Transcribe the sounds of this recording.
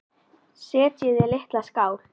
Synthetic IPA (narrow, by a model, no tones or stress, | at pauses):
sɛːt̪jɛðɛleht̪laskaːwɾ̥